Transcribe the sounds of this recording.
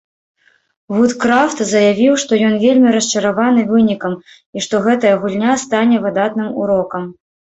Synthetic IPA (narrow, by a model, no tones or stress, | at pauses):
vut̪kɾaft̪zɐjavʲiwʂt̪ɔjɔnvʲelʲmʲiɾɐst͡ʂɐɾavanɨvɨnʲikɐm | iʂt̪ɔɣɛt̪ɐjɐɣulʲnʲast̪anʲɛvɨd̪at̪nɨmuɾɔkɐm